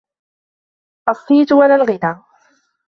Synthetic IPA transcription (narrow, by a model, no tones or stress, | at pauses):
ʔɑsˤːiːt̪walalɣɪd̪aː